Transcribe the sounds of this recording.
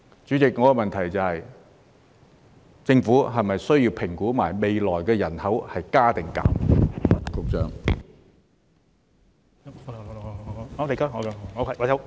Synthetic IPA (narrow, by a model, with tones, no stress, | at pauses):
t͡syː˨˥t͡sɪ˨k̚ŋɔː˨˧kɔ˧mɐ˨nt̪ʰɐ˨˩jt͡sɐ˨hɐ˨j | t͡sɪ˧ŋfuː˨˥ɦɐ˨jmɐ˨jsɵ˥ɥjiː˧wpʰɪ˨˩ŋkuː˨˥maː˨˩jme˨jlɔː˨˩jkɛː˧jɐ˨˩nhɐ˨˥whɐ˨jkaː˥t̪ɪ˨ŋka̰ː˨m | kʊ˨k̚t͡sœ̰ː˨ŋ˧˨˧ | ɔ˨˧˥le˨˩kaː˥ŋɔ˨˧kɔ˧ɔ˨˧kʰa˧˩a˨˩sɐ˧˥w